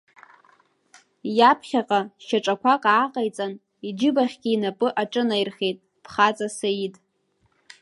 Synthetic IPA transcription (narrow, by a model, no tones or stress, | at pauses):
japʰχʲaqʼaʃaʈ͡ʂʼakʷʰaqʼaːqʼajt͡sʼan | id͡ʒɪbaχʲɡʲiːnapʼɨʔaʈ͡ʂʼɨnajrχʲejtʼ | pʰχat͡sʼasajitʼ